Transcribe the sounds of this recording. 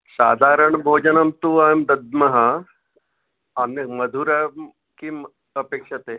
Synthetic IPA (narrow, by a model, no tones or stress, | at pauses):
sa̰ːd̪ʱaːɾəɳbʱoːd͡ʒɐnɐmt̪uːajmd̪ɐd̪mɐɦa | anɐməd̪ʱuːɾɐ | kiː | əpeːkʂɐt̪e